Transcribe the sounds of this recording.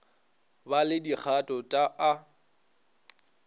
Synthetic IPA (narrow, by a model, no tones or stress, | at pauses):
balɪdik͡xʰatʼɔtʼaʔa